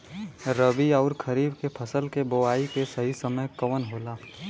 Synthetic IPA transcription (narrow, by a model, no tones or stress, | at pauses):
ɾəbiɔːɾkʰəɾiːbkepʰəsəlkeboaːikesəɦisəməjkəʋənɦoːlaː